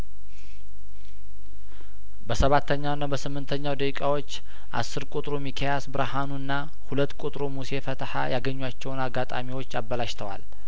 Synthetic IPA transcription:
bəsəβat̪ʰːəɲːawnːabəsɨmːɨnt̪ʰəɲːawd̪əkʼkʼawo̞t͡ʃː | ʔa̰sːɨɾkʷʼut̪ʼɾomikʰajasbɨɾahanuɨnːa | hulət̪ːkʼut̪ʼɾomuse̞fət̪ʰħa̰jaɡəɲːuwat͡ʃːɛwnaɡat̪ʼamiwo̞t͡ʃːabːəlaʃt̪ʰəwa̰l

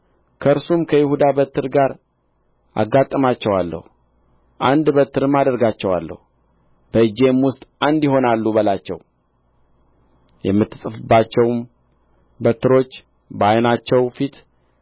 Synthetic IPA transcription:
kʰəɨɾsumkʰəjɪhud̪abət̪ʰːɨɾɡaɾ | a̰ɡːat̪ʼːəmat͡ʃːɛwalːə̰hu | ʔand̪bət̪ʰːɨɾɨmad̪əɾɡat͡ʃːɛwa̰lːə̰hu | b̥əɨd͡ʒe̞mwʊst̪ʼand̪jɪɦo̞nalːubəlat͡ʃːɛ̰w | jɛ̰mːɨt̪ʰːɨsʼɨfɨbːat͡ʃːɛwm | bət̪ːɨɾo̞t͡ʃː | bəajnat͡ʃːɛwfit̪

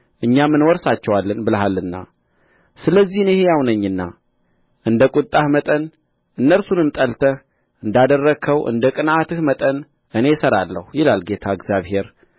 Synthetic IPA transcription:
ʔɨɲːamːɨnwɔɾsat͡ʃːɛwalːənbɨləɦalːɨnːa̰ | sɨləzːihnjɪhejawnəɲːɨnːa | ʔɨnd̪əkʼut̪ʼːahmət̪ʼən | ʔɨnːəɾsunɨmt̪ʼəlt̪ʰə | ʔɨnd̪ad̪ərːəkʰəwʔɨ̰nd̪əkʼɨnat̪ɨhmət̪ʼən | ʔɨne̞səɾalːə̰hjɪlalɡe̞t̪ʰaɨɡzjaβhe̞ɾ

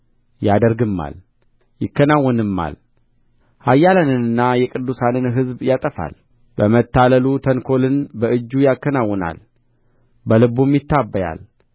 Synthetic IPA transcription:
jad̪əɾɡɨmːa̰l | jɪkːənawːɔnɨmːa̰l | hajːalənɨnɨnːajɛkʼɨd̪ːusanɨnɦɨzbjat̪ʼəfa̰l | bəmət̪ːaləlut̪ʰənkʰo̞lɨnbəʔɨd͡ʒːujakːənawːɔna̰l | bəlɨbumjɪt̪ʰːabːəja̰l

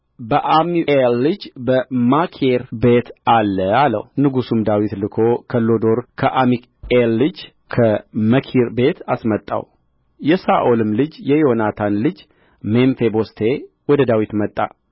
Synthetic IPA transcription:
bəʔamiʔelːɨd͡ʒbəmakʰeɾbet̪alːəalə̰hunɨɡusumd̪awit̪lɨkʰo̞kʰəlo̞d̪o̞ɾkʰəʔamik | elːɨd͡ʒ | kʰəməkʰiɾbe̞t̪ʰasmət̪ʼːa̰w | jɛsaʔolɨmlɨd͡ʒjɛjonat̪ʰanlɨd͡ʒ | menfebo̞st̪ʰe̞ | wɔd̪əd̪awit̪mət̪ʼːa̰

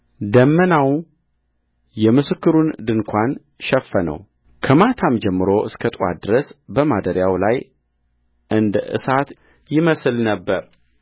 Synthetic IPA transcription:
d̪əmːənaw | jɛmɨsɨkːɨɾund̪ɨŋkʷʰan | ʃɛfːənə̰w | kʰəmat̪ʰamd͡ʒɛmːɨɾo̞ʔɨskʰət̪ʼa̰d̪ɨɾəsbəmad̪əɾjawlaj | ʔɨnd̪əʔɨ̰sat̪ | jɪməslnəbːəɾ

